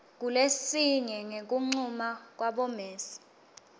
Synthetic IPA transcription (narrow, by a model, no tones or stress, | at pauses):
k̬ulesiɲɛŋek̬uŋ͡ǀumak̬waɓɔmeːsi̥